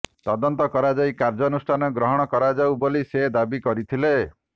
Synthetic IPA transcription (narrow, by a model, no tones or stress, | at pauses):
t̪ɔd̪ɔnt̪ɔkɔɾad͡ʒajkaɾd͡ʒɔnusʈʰanɔɡɾɔɦɔɽ̃ɔkɔɾad͡ʒawbolised̪abikɔɾit̪ʰile